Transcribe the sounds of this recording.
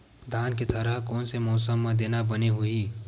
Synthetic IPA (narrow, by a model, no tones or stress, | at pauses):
d̪ʱaːnket̪ʰəɾaɦkoːnsemɔːsəmːẽd̪eːnabəneɦui